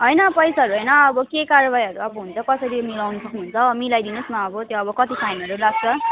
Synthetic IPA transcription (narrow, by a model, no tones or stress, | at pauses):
ɦʌjnʌpʌjsaɦʌɾuɦʌjnʌːbʌkekaɾʌbajɦʌɾuʌbʌɦunt͡sʰʌkʌsʌɾimilawnusʌkniɦunt͡sʰʌmilajd̪inʌsmaʌbʌt̪joʌbʌkʌt̪ipʰajnʌɾulaɡ̚t͡sʰʌ